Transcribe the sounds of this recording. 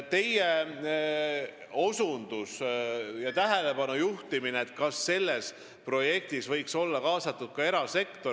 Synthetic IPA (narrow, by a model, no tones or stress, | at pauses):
t̪e̞je | o̞sund̪̥usjɑt̪æɦele̞pɑnujuht̪imineːt̪ˑkɑsːe̞lːe̞s | pro̞je̞k̚t̪isvɤjkso̞lːɑkɑːsɑt̪ːˑud̪̥̚kɑe̞ɾɑse̞kt̪o̞